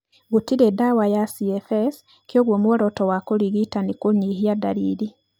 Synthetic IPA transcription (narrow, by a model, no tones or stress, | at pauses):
ɣutiɾedawajasiɛfɛs | kjoɣwomwɔɾɔtɔwakoɾiɣitanikoɲiɦiadaɾiːɾi